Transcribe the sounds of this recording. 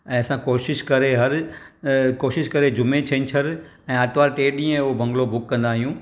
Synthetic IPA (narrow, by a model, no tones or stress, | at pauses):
ɛ̃ːɐsãkoːʃɪʃkɐɾeɦɐɾ | koːʃɪʃkɐɾed͡ʑʊmet͡ɕʰẽnɪt͡ɕʰɐɾ | ɛ̃ːaːt̪ʋaːɾʈeːɗĩːə̃ɦbʱɐ̃ŋɡlobʊkːɐ̃nd̪aːɦijũː